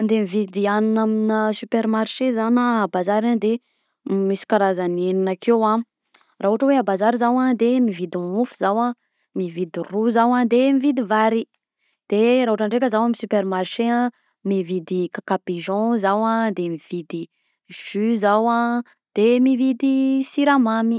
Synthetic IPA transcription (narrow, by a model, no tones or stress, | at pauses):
nd̪emivid̪ianinaminəsypeɾmarʃezanaabazaɾand̪e | misi̥kaɾazaneninakewã | raɦuʈ͡ʂəweabazaɾizawãd̪emivid̪imufu̥zawã | mivid̪iruzawãd̪emivid̪ivaɾi | d̪̥eɾaɦuʈ͡ʂaɳɖ͡ʐek̬ʲəzawamisypermarʃeã | mivid̪ikakapeʒɔ̃zawãd̪emiv̥id̪i | ʒ̥yzawã | d̪̥emivid̪isiɾamami